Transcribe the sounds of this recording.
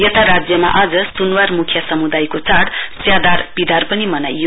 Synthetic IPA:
jʌt̪ʰaɾad͡zjʌma̰ʔad͡zʌsunwarmukʰjasʌmud̪ajkot͡saɽt͡sjad̪arb̥id̪ʱarpʌnimʌnajo

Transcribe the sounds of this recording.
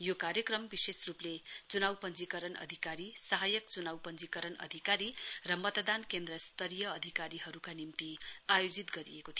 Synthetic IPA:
jokaɾjʌkrʌmbisesruplet͡sunawpʌnd͡zikʌɾʌnʌ̰d̪ʱikaɾisʌɦajʌkt͡sunawpʌnd͡zikʌɾʌnʌ̰d̪ʱikaɾirʌmʌt̪d̪ankend̪rʌst̪ʌɾjʌːd̪ʱikaɾiɦʌɾukanimt̪iajod͡zit̪ɡʌɾḭjekot̪ʰi

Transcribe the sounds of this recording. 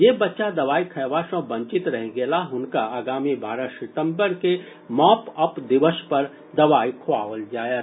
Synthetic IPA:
jeːbɐtːʃad̪ɐʋaːikʰɐːʋaːʃõbɐ̃ɲt͡ʃɪt̪ɾɐɦɡelaɦʊnkaaːɡaːmibaːɾasɪt̪ə̃mbəɾke | mɔːpɐpd̪ɪʋəʃpɐɾ | d̪ɐʋaːikʰaːʋəld͡ʒaːja

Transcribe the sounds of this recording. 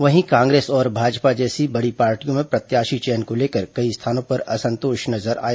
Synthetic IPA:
ʋɐɦĩkãːŋɡɾeːsɔːɾbʱaːd͡ʒpad͡ʒɛːsibɐɽipaːɾʈijõmẽpɾɐt̪jaːʃit͡ʃɛːnkoleːkəɾkɐist̪ʰaːnõpɐɾɐsɐ̃nt̪oːʃnɐzəɾa̰ːja

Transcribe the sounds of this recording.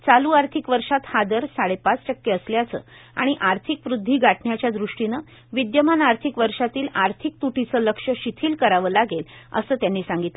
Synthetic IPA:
t͡saluːaɾt̪ʰikʋəɾʂat̪had̪əɾsaɽepat͡sʈəkːeəsljat͡sə̰ː | a̰ɽ̃iʔaɾt̪ʰikʋɾud̪ʱːiːɡaʈɳjat͡ɕjad̪ɾuʂʈinə | ʋid̪jəmanaɾt̪ʰikʋəɾʂat̪iːlaɾt̪ʰik̚t̪uʈit͡səːləkʂəɕit̪ʰiːlkəɾaʋəːlaɡelə̰səːt̪janːiːsãŋɡit̪l

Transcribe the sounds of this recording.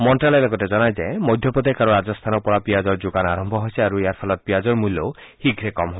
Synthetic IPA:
mɔɳʈɾalalɔɡɔʈed͡ʒɔnajd͡ʒaemɔjd̪ʱjɔpɔd̪ekʰaɾuɾad͡ʒɔst̪ʰanɔpɔɾapiad͡ʒɔɾd͡ʒoɡanaɾɔmbʱɔɦojsʰiaɾuejaɾpʰɔlɔt̪̚piad͡ʒɔɾmulo | hiɡʱɾekɔmɦɔb

